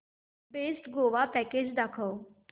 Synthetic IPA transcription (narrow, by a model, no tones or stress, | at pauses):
besʈɡoʋapɛked͡ʒd̪akʰə